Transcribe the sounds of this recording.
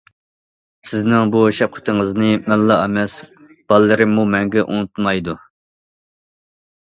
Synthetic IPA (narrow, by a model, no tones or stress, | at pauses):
sɪznɪŋbuʃɛp̚qʰə̥t̪ʰɨŋəznɨmɛlːɑɑmɛs | b̥ɑlˠːɨɾɨmumɛŋɡʲɛʔṵnut̪mɑjd̪u